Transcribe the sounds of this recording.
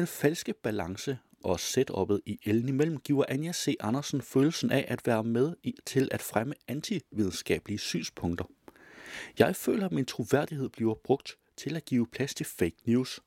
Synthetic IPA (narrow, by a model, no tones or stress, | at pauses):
d̥enfælsɡ̥əb̥ælɑ̈ŋsə | ʔɒ̽sed̥ɒ̽b̥ð̩ˠiʔeln̩imel̰m̩ɡ̥ḭːʊɐʔænjæse̝̰ʔɑ̈nɐsn̩føːl̩sn̩ʔæʔæd̥ʋæːɐmeðˠt͡sʰe̝lʔæd̥fʁaməænt͡sʰiʋið̞ˠn̩sɡ̥ɛ̰ːb̥liəsy̰ːnspʰɔ̽ŋd̥ɐ | jɑ̈ɪfø̰ːlɐmint͡sʰʁo̝ʋæɐ̰d̥iɦe̝ð̞̰ˠb̥liʊɐb̥ʁɔ̽ɡ̥̚d̥ | t͡sʰe̝læɡ̥ḭːʊpʰlæst͡sʰe̝feɪɡ̥njuːs